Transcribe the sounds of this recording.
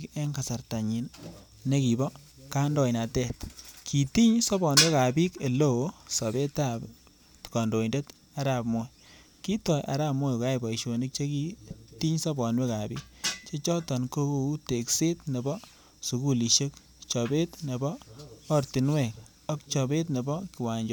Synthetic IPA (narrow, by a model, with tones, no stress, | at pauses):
ke˦ŋka˨sa˨rta˨ɲi˨n | ne˦ki˨bɔ˦ | ka˦ndɔ˨jna˨tɛ˦˨tkʰi˨ti˦ɲsɔ˦bɔ˨nwe˦ka˨bi˦ke˨lo˦˨˦sɔ˨be˦ta˦b | tkɔ˨ndo˨inde˦t | a˦ɾa˨pmo˦ | ki˦tɔ˨jʔa̰˨ɾa˦p̚mo˦jka˦jbɔ˨i˨ʃo˨ni˦k̚t͡ʃe˦ki˦ti˦ɲsɔ˦bɔ˨nwe˦ka˨bi˦k̚t͡ʃe˦t͡ʃɔ˦tɔ˨nko˦ko˨u˦te˨kse˦tne˨bɔ˦ | su˨ku˦li˨ʃe˦k | t͡ʃɔ˨be˦tne˨bɔː˦ɾti˨nwɛ˨k | ɔ˦k̚t͡ʃɔ˨be˦t̬ne˨bɔ˦ki˨wa˨ɲd͡ʒɔ˦